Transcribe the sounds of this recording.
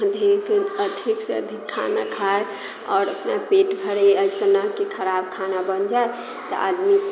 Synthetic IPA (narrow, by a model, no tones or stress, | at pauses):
d̪ʱikəd̪ʱikseə̰d̪ʱikʰːa̰na̰kʰae | ɔ̰ːɾəpnapeʈbʱəɾeəɪsənəkekʰəɾab̚kʰanabənd͡ʒae | t̪ɔ̰ʔa̰d̪mi